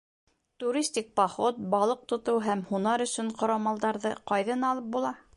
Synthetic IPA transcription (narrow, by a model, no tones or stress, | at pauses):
t̪uɾʲisʲt̪ʲik̚pɐχot̪̚bɑlˠɤq̚t̪ŏt̪ɤwɦæmhunɑɾɵ̆sɵɴqŏɾɑmɑlˠd̪ɑɾðɤqɑjðɤnɑlˠɤp̚bulˠɑ